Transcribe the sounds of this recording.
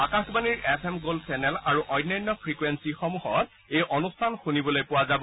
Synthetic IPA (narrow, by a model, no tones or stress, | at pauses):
akãxbaniɹepʰɛmɡolsɛnɛlaɹuʔɔjnːɔjnːɔpʰɹikwensixɔmuɦɔt | ejʔɔnustʰanxunibɔlojpʊwazabɔ